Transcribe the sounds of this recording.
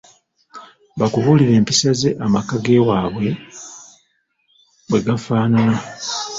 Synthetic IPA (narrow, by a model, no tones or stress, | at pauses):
bakuβuliɾe̞ːmpisaze̞ʔamakaɡe̞waːβwe̞ | βwe̞ɡafaːnana